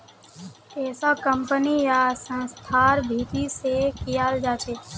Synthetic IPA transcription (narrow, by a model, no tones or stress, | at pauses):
eːsakəmpənijasə̃nst̪ʰaɾbʱiːt̪isekijald͡ʒaːt͡ʃʰeː